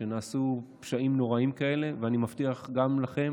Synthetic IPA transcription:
enaːsupʃaimno̞ʁaimkae̞le̞veanimaft̪iaχɡamlaχe̞m

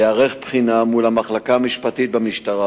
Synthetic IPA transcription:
eaʁeχpχinamulamaχlakaːmiʃpat̪it̪̚bamiʃtaʁa

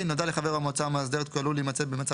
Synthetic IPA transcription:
inodaleχaveʁamot͡samazd̪eet̪̚koaluliːmat͡sebemat͡sa

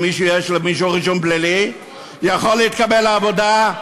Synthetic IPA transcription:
miʃujɛʃlemiʃ̬oʁiʃonbleli | jaχolːeit̪kabelaːvod̪a

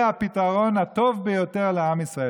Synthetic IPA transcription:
apitaʁo̞nat̪o̞vbejo̞te̞ʁleamisʁae

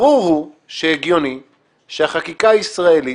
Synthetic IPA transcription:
ʁuʁhu | ʃeeɡjo̞ni | ʃeaχakikaisʁaeli

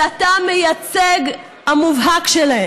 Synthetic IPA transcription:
at̪amejat͡seɡ | hamuvɦakʃelahe

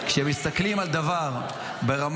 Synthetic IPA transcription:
kʃeemist̪aklimald̪avaʁ | be̞ʁam

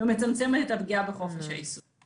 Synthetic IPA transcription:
eme̞t͡samt͡semeet̪abɡiabeχo̞feʃa̰is

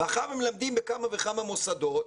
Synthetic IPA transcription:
aχaemelamd̪imbekamavekamamosad̪o̞t̪

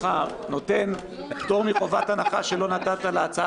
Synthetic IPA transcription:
a | no̞t̪e̞n | ift̪o̞ʁmiχo̞vat̪anaχaʃe̞lo̞nat̪at̪alaat͡sa

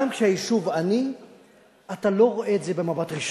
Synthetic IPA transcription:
amkʃeajiʃuvani | at̪alo̞ʁoʔe̞ːtze̞be̞mabat̪ʁiʃ

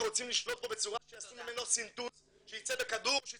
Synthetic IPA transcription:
ʁot͡simliʃlo̞t̪lo̞be̞t͡suʁaʃejasumimenosint̪uz | ʃejit͡sebekad̪uʁʃe

